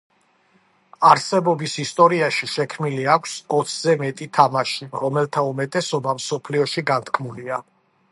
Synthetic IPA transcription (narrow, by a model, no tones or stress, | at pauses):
aɾsɛbɔbisist̪ʼɔɾiaʃiʃɛkʰmiliakʷʰsɔt̪sʰzɛmɛt̪ʼit̪ʰamaʃiɾɔmɛlt̪ʰaumɛt̪ʼɛsɔbamsɔpʰliɔʃiɡant̪ʰkʰmulia